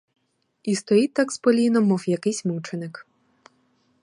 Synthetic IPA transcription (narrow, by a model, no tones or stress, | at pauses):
ist̪ɔjit̪ːakspɔlʲinɔmɔwjɐkɪsʲmuwt͡ʃenɪk